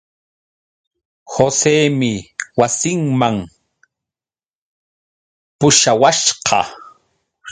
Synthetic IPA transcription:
hoseːmɪwasɪŋmaŋ | pʊʃawaʃqɑ̰

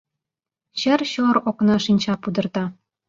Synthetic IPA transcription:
ɕə̆rɕoɾoknɑʃinʲt͡ɕɑpud̪ɤ̆rt̪ɑ

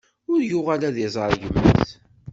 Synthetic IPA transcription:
ʊɾjʊʁalæðizˤəɾˤʝəmːəθ

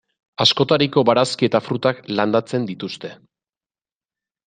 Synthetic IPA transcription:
asko̞t̪aɾiko̞βaɾaskie̞t̪afɾut̪akland̪at͡se̞nd̪it̪ust̪e̞

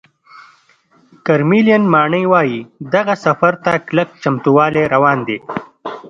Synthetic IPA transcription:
kaɾmilijanmɑːɳəjwaːjid̪ɐɣasɐfaɾt̪aklak̚t͡ʃɐmt̪uwɑːleɾɐwɑːnd̪eː

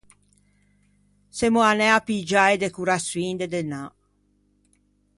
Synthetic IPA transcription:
semoanɛapid͡ʒaed̪ekuɾaswind̪ed̪ena

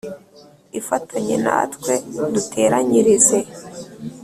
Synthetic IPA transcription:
ifatʰaɲḛna̰ːtkwe̞dutʰe̞ːɾaɲiɾize̞

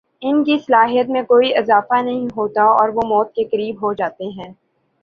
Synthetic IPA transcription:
ɪnkisɐlaːɦijət̪mẽkoːiʔɪzaːfanɐɦĩɦoːt̪aɔːɾʋomɔːt̪̚kekɐɾiːbɦod͡ʒaːt̪eɦɛ̃ː

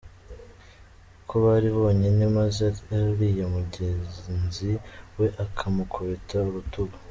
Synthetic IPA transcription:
kʰoβaɾiβo̞ːɲenemazeaɾijomuɟeznziwe̞ʔakʰamukʰoβetauɾutuβḁ

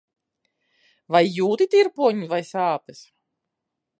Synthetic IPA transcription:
vajːuːt̪it̪ʲiɾpuɔɲivajsaːpɨs

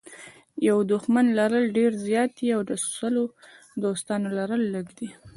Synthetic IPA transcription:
jawd̪ʊxmanlaɾəlɖeɾzjɑt̪iawd̪əsu̥səlo | d̪ost̪ɑnolaɾəlːəɡd̪i

